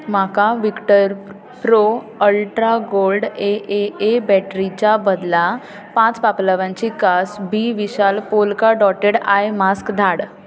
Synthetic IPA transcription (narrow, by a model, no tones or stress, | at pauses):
makaʋikʈəɾ | pɾo | əlʈɾaɡolɖeʔeebɛʈɾit͡ɕabəd̪la | pãt͡spapləʋãɲt͡ɕikasbiʋiɕalpolkaɖɔʈeɽajmaskd̪ʱaɽ